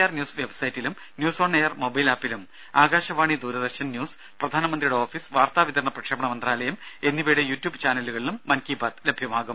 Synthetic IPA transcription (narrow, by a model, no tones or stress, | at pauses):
arnʲjuːsʋe̞bsɐjitːilum | njuːso̞ːɳejɐrmo̞bɐjlaːpːilum | aːɡaːɕɐʋaːɳid̪uːɾɐd̪ɐrɕɐnnjuːs | prɐd̪ʱaːnɐmɐnd̪rijuɽeo̞ːfiːsʋaːrt̪aːʋit̪ɐɾɳɐprɐkʂeːbɐɳɐmɐnd̪raːlɐjɐme̞nːiʋejɽejuːtʲjuːbt͡ɕaːnɐluɣɐɭilumːɐnkiːbaːt̪lebʱjɐmaːɣum